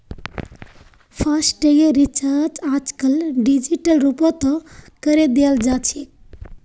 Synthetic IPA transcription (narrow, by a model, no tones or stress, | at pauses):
pʰəsʈeɡeɾit͡ʃəɾt͡ʃaːd͡ʒkəlɖid͡ʒiʈəlɾupot̪ɔkəɾed̪eəld͡ʒaːt͡ʃʰi